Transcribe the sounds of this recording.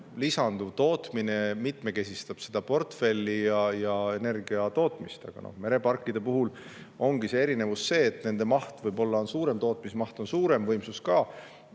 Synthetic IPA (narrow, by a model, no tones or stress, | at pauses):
lisɑnd̪uvt̪o̞ːt̪mine̞mit̪me̞ke̞sʲist̪ɑb̥sed̪̥ɑpo̞rt̪fe̞lʲːijɑjɑe̞ne̞rɡiɑt̪o̞ːt̪ˑmist̪ɑ̰ɡ̥ɑ̰nʔo̰hme̞ɾe̞pɑrkːˑid̪̥e̞puɦul | o̞ŋɡ̥ise̞e̞ɾine̞vusːe̞ːt̪ːˑne̞nd̪̥e̞mɑht̪vɤjbo̞lːɑnsuːɾe̞mt̪o̞ːt̪mismɑht̪o̞nsuːɾe̞mvɤjmsuskɑː